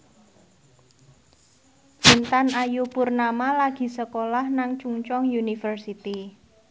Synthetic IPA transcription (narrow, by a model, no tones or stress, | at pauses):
t͡ʃint̪anajupurnamalaɡ̥i̤səkolahnaŋt͡ʃuŋt͡ʃɔŋjunifərsit̪i